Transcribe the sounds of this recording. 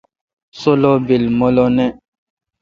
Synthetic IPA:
solɔbelmɔlɔnɛ

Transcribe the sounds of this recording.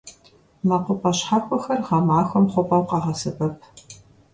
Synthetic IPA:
mɐqʷʊpʼɐɕħakʷʼɔxɐrʁɑmaːxʷɔmχʷʊpʼɐwqɑʁɐsɨbɐp̚ʰ

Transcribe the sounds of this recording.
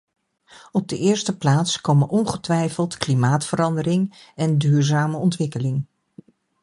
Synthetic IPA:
ɔb̚dəʔɪːɹstəplaːtskowmənʔɔnχətʋɛjfəlˠtklimaːtfəɾɑndəɾɪŋ | ɛndyːɹzaːməɔntʋɪkəlɪŋ

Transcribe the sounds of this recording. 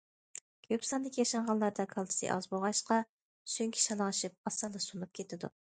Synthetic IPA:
ɡ̥ʲʰøpsɑnd̪ɪkʲʰijɑʃɑnʁɑnlˠɑɾd̪ɑkʰɑlˠt̪ʰɨ̥sɨ̰ʔɑ̰zboʁɑʃqɑ | syŋkʲʰi̥ʃɑlˠɑŋɨʃip̚ɑsɑlˠːɨsunup̚kʲʰet̪ʰɪd̪ṵ

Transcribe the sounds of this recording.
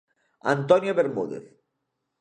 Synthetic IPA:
a̰nt̪ɔnjaβeɾmuðḛθ

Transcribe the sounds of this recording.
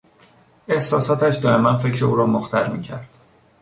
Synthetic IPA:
e̞hsɒːsɒːt̪ʰæʃd̪ɒːemænfe̞cʰɾeuːɾɒːmoxt̪ʰæɾmiːcʰæɾd̪̥

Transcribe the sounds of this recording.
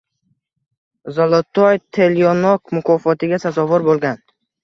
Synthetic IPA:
zɒlˠɔt̪ʰːɒjt̪ʰelijonɒkmʊkʰɒːfɒt̪ʰɪɡʲasazɒvʊɾbolˠɡʲan

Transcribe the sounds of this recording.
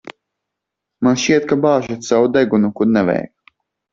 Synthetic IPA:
manʃt͡ʃiɛt̪̚kabaːʒat̪sawud̪ɛɡunukud̪nɛvɛ̰jk

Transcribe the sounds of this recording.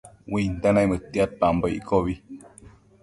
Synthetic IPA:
wint̪anaimət̪ːiat̪̚pamboḭkoβi

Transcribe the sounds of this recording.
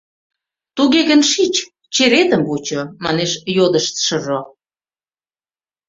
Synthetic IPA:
t̪uɣeɣə̆nʃit͡ɕ | t͡ɕeɾet̪ə̆mvut͡ɕomɑneʃjod̪ə̆ʃt͡sʃə̆ʒo

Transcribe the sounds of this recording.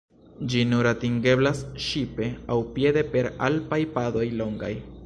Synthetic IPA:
d͡ʒinuɾatiŋɡe̞blasʃipe̞awpje̞de̞pe̞ɾa̰lpajpado̞jlo̞ŋɡa̰j

